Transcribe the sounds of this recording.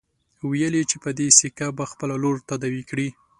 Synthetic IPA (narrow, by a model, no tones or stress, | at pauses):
wejəlit͡ʃepəd̪esikabaxpəlaloɾt̪ad̪awikɽi